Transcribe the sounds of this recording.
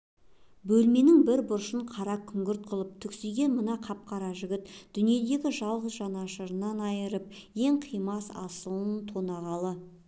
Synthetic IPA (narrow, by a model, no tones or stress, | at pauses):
bɵlme̞nɪŋbɪɾbʊɾʃəɴqʰɑɾɑkʲʰʏŋɡʲɪɾt̪̚qʰʊlˠəp̚t̪ʰʏkseɡʲe̞nmənɑqʰɑp̚qɑɾɑʒʏɡʲɪt̪d̪̥ʏnije̞d̪e̞ɡʲɪʒɑlˠʁəzʒɑnɑʃəɾənɑnɑjəɾəp̚je̞ŋqʰijmɑsɑ̰səlˠənt̪ʰo̞nɑʁɑlˠə